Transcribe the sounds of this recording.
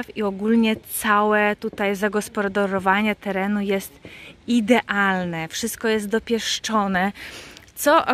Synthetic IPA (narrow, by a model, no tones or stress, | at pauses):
fiɔɡulɲɛt̪sawɛt̪ut̪ajzaɡɔspɔɾd̪ɔɾɔvaɲɛt̪ɛɾɛnujɛst̪id̪ɛʔalnɛfʂɘst̪̚kɔjɛst̪̚d̪ɔpʲjɛʂt͡ʂɔnɛt̪sɔ